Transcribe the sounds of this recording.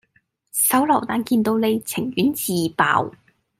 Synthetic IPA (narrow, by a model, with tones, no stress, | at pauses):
sɐ˨˥wlɐ˨˩wt̪aː˧nkiː˧nt̪o˧wne˨˧jt͡sʰɪ˨˩ŋɥyː˨˥nt͡siː˨pa̰ː˨w